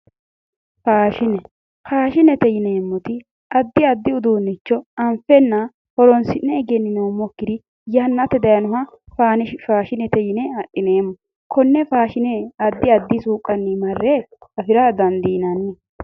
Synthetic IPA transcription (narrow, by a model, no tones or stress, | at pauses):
faːʃɪnɛ | kaːʃɪnɛt̪ɛjɪneːmːɔt̪ɪ | ɐd̪ːɪɐd̪ːɪʊd̪uːnːɪt͡ʃːɔɐmfɛnːɐ | hɔɾɔnsɪnːɛːɡɛnːɪnɛwʊmɔkːɪd̪ɪ | jɐnːɐt̪ːɛd̪ɐjɐnʊɦɐ | faːnɛfaːʃɪnɛt̪ɛjɪnɛɐɗːɪneːmːɔ | kʰɔnːɛfaːʃɪnɛɐd̪ːɪɐd̪ːɪsuːkʼːɐnːɪmɐrːɛɐfɪɾɐd̪ɐnd̪iːnɐnːɛ